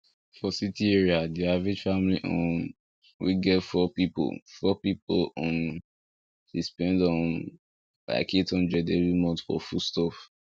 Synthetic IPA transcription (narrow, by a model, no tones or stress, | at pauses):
fɔsitiɛɹiadiavɹid͡ʒfamliʔõ̰n | wḭɡɛtfɔpipo̰lfɔpipolɔ̃n | dispɛ̃ndɔ̃n | la̰ɪkitʰɔ̃nd͡ʒɛdevimɔ̃ntfɔ̰fustɔf